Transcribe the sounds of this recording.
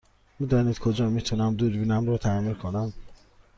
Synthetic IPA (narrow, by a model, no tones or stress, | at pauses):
mid̪ɔːnid̪kʰod͡ʒɒːmit̪ʰunæmd̪uːɾbinæmɾɔːt̪ʰæmilkʰonæm